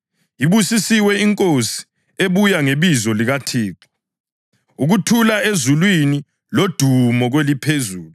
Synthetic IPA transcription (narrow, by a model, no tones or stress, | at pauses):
jiβusisiwɛiŋkʼosi̥ | eβujaŋeβizɔliɣatʰiːǁɔ̥ | uɣutʰulaezulwini | lod̥ʱumɔɣwelipʰezuːlu